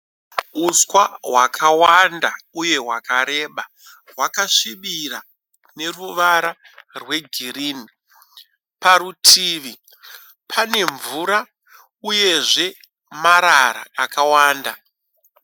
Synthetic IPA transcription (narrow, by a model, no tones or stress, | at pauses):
uswaɦwakʰawandauje̞ɦwakaɾe̞ːɓa | ɦwakaʂiɓiɾa | ne̞ruʋaɾa | rwe̞ɡʱiɾini | paɾutʰiːʋi | pʰane̞ɱvuɾa | uje̞ʐe̞ | maɾaɾa̰ːkawaːnda